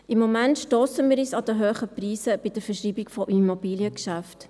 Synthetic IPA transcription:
ɪmːɔmæntʃtoːsəmiːɾiːsɑdəɦøːχəpriːsəb̥ɪd̥əɾfəʃiːbɪɡfɔʔimobiːljəkʃæft

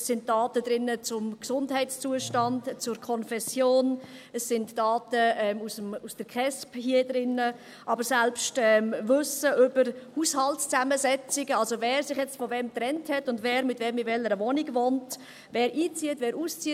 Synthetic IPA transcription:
ssɪntd̥ɑːtədɾɪnːət͡sʊmksʊndhɛɪtst͡suəʃtɑndt͡sʊɾkʰɔnfɛsjoːn | əsːɪntd̥ɑːtəɛmusəmusd̥əɾkχɛsphiədɾɪnːə | ʔɑbəɾsɛlpʃtɛːmvʏsəʔʏbəɾhuːshɑltst͡sæməzɛt͡sɪɡəɑlsovɛːɾsɪχjɛt͡stfɔvɛmtɾɛnthɛtʊndvɛːɾmɪtvɛmɪtvɛləɾəvɔnɪɡvont | vɛːɾʔiːt͡siətvɛːɾuːst͡siə

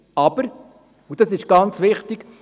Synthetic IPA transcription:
ɑb̥əɾ | ud̥ɑsɪʃɡ̥ɑnt͡sʋɪχtɪɡ̥

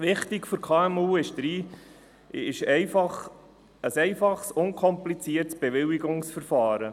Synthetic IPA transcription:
ʋɪχtɪkfʏɾkʰɑːɛmuːɪʃd̥̪ɾiː | ɪʃɛɪfɑχ | əsɛɪfɑχsʊŋkʰɔmplit͡siːəɾtsb̥ɛʋɪwiɡʊŋsfəɾfɑːɾə

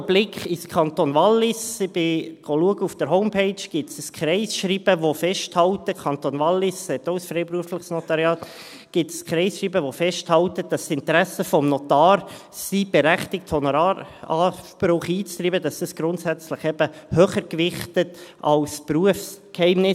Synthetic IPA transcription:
b̥lɪkχiskʰɑnt̪onvɑlːɪsɪb̥ɪɡ̥ɔluəɡəufd̥əɾɦɔʊmpʰeɪt͡ʃɡ̥ɪtsəskχɾɛɪsʃɾiːb̥əʋofɛʃthɑltəkʰɑnt̪onvɑlːɪssɛtoʊsfɾɛɪpɾuəflɪχsnɔtɑɾjɑːt | ɡ̥ɪtskχɾɛɪsʃɾiːbəʋofɛʃthɑltəd̥ɑsɪntəɾæsəfɔmnɔt̪ɑːɾ | sib̥ɛɾæχtɪk̚thɔnoɾɑɑb̥ɾʊχiːt͡st̪ɾiːbədɑsdəsɡ̥ɾʊntsæt͡sləχɛb̥əhøːχəɾkvɪχtətɑ̰lspɾuəfskhɛɪmnɪ

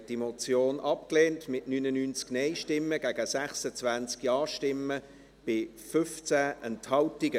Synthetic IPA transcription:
d̥imot͡sjoːnʔɑp̚kleːntmɪtnyːnənynt͡sknɛɪʃtɪmːəɡ̥æɡ̥əsæχsət͡svænt͡skjɑːʃtɪmə | b̥ɪ | fʏft͡sæʔənthɑltɪɡə

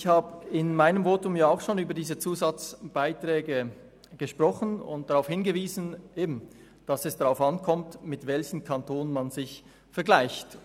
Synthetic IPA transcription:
çhaːbəɪnmaɪnəmvoːtʊmjaːaʊxʃoːnyːbɐdiːzət͡suːzɑt͡sb̥aɪtʁ̥ɛːɡə | ɡ̥əʃpʁ̥ɔχən̩ʊ̰nt̚d̥aʁaʊfhɪnɡəviːzn̩ʔeːbm̩ | d̥ɑsɛsd̥aʁaʊfɑnkʰɔmtmɪtvɛlçn̩kʰɑntʰoːnənmanzɪç | fɛɐɡlaɪçt

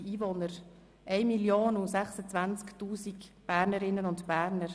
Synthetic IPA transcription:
iːvonəɾ | ʔɛɪmiljoːnusɛχsət͡svænt͡sktuːsikb̥æːɾnəɾɪnːənʊntb̥æːɾnəɾ

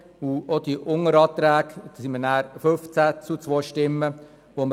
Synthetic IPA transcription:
uod̥̪iʔʊŋəɾɑːt̪ɾæːɡd̪simənæːɾføft͡sæt͡sut͡sʋojʃtɪmːə | ʋom

